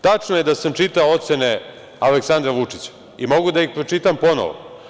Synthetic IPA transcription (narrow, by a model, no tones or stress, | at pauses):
t̪at͡ʂnojed̪asamt͡ʃit̪aoot̪se̞ne̞ | aleksand̪ɾaʋut͡ʂit͡ɕḁ | imo̞ɡud̪aixpɾot͡ʃit̪ampo̞no̰ʋo̰